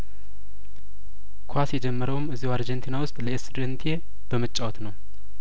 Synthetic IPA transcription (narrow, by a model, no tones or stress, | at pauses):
kʰasjɛd͡ʒɛmːəɾəwmɨzːihaɾd͡ʒent̪ʰinawʊst̪ʼləesd̪ənt̪ʰie | b̥əmət͡ʃʼːawɔt̪nəw